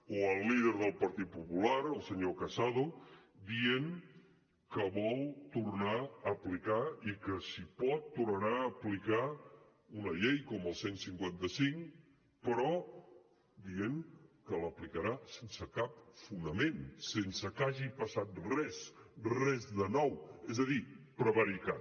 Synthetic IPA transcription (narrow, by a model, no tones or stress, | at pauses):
oəlˠːiðəɾðəlˠpəɾt̪it̪̚pupulaɾəlˠsəɲokəsað̞ud̪ieŋ | kəβɔlˠt̪uɾnaəplikaikəsipɔt̪ːurnəɾaːplika | unəʎejkɔməlˠsensiŋkwant̪əsiŋ | pəɾɔ | d̪ieŋkələplikəɾasensəkap̚funəmensensəkaʒipəsat̪̚rrɛsrɛzðənɔwɛzəðipɾəβəɾika